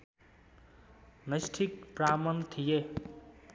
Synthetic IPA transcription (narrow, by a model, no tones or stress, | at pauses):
nʌjsʈʰik̚pramʌnt̪ʰije